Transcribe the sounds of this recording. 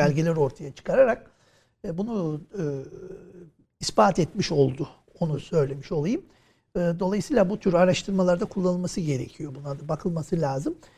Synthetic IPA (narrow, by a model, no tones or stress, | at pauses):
ælʲɟilʲæɾo̞ɾt̪ʰajat͡ʃʰɯ̥kʰaɾaɾak̚ː | bunu | ispaːt̪ʰɛt̪miʃo̞lˠd̪ʊ | o̞nusø̞jlʲe̞miʃo̞lˠajɯm | ɯd̪o̞lˠajɯsiːlˠabut̪ʰyɾaɾaʃt̪ʰɯɾmalˠaɾd̪akʰulˠːanɯlmasɯɟe̞ɾe̞̰cʰijo̞bunlˠaɾd̪abakʰɯlˠmasɯlʲaːzɯm